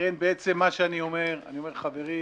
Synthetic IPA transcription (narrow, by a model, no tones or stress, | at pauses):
enbeet͡semːaʃeanio̞me̞ʁa̰nio̞me̞ʁχave̞ʁi